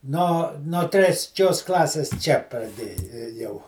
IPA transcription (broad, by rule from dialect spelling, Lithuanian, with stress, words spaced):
ˈnoː noː tʲrʲɛsʲˈt͡ʃʲoːs ˈklˠɑːsʲeːs ˈt͡ʃʲɛ prɐˈdʲeː eːˈjɛʊ